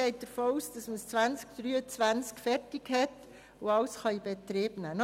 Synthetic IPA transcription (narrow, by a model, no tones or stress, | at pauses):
ɛɪt̚d̥əɾfoːuːsd̥ɑsməst͡sʋænt͡skd̥̪ɾyːət͡sʋænt͡skfɛɾtɪkhɛt | ʊɑwsχɑib̥etɾeːbnæn